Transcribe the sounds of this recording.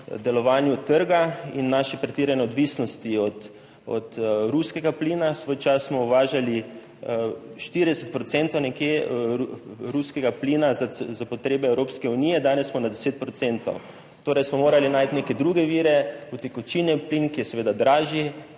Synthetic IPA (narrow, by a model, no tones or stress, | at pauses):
d̪ɛlɔʋaːnjut̪əɾɡainːaʃɛpɾɛt̪iːɾɛnɛɔd̪ʋisnɔst̪iɔt̪ | ɔ̰t̪ɾuskɛɡapliːnasʋojt͡ʃasːmɔuʋaːʒali | ʃt̪iɾid̪ɛsɛt̪̚pɾɔt̪sɛnt̪ɔwnɛkjeuɾuskɛɡapliːnazazapɔt̪ɾeːbɛɛwɾoːpskɛuniːjɛd̪aːnɛssmɔnad̪ɛseːt̪̚pɾɔt̪sent̪ɔ̰w | t̪oːɾɛjsmɔmoːɾalinaːjt̪nekɛd̪ɾuːɡɛʋiːɾɛpɔt̪ikɔt͡ʃinɛplinkijɛsɛʋeːd̪ad̪ɾaːʒi